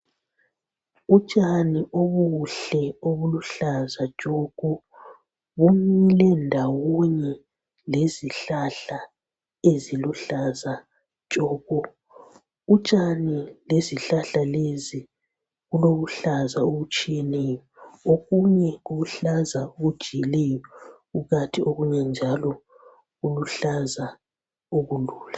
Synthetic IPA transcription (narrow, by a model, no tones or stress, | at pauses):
ut͡ʃʼaniʔoβuɬɛoβuluɬazḁt͡ʃʼɔɣu | βumilɛndʱawɔɲɛ | leziɬaɬa | eziluɬazḁ | t͡ʃʒ̥ʼɔːɣu | ut͡ʃʼanileziɬaɬalezi | ɣuloɣuɬazaoɣut͡ʃʼijɛnɛːjɔoɣuɲɛuɣuɬazaoɣud̥ʒ̥ʱijilɛjɔɣuɣatʰioɣuɲɛnd͡ʒʱalɔ | ɣuluɬaza | oɣuluːla